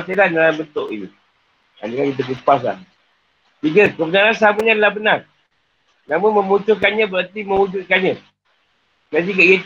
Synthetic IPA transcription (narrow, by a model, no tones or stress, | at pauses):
selanalabənt̪oʔḭnḭ | a̰dəkankit̪̬ək̬əpas̬la̰h | t̪iɡəkəbənaɾans̬aməɲadalahbənar | naməmə̃mut͡ʃʊkanɲãbəɾart̪imə̃ŋud͡ʒut̪̚kanɲã | nant̪̬ikaiət̪